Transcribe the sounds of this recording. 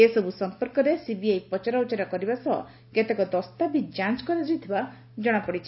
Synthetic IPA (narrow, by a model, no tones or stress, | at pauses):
esɔbusɔmpɔɾkɔɾesibiajpɔt͡ʃaɾɔut͡ʃaɾɔkɔɾibasɔɦɔ̰ | ket̪ekɔd̪ɔst̪abid͡ʒãnt͡ʃkɔɾid͡ʒujt̪ʰiba | d͡ʒɔɽ̃apɔɽit͡ʃʰi